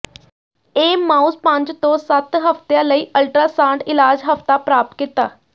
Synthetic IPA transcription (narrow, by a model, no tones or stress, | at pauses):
eːmãːuspə̃ɲd͡ʒt̪õːsət̪ɦəft̪jãːləiːʔəlʈɾaːsãːɳɖɪlaːd͡ʒɦəft̪aːpɾaːp̚t̪̚kit̪a̰ː